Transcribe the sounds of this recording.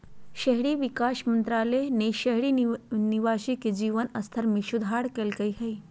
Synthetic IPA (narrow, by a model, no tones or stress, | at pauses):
ʃɐɦɽiːʋikaːʃmənt̪ɾaːlejneʃɐɦɽiniʋaːʃiked͡ʒiːʋənɐst̪ʰəɾmiʃud̪ʱaːɽkelkəjɦɐj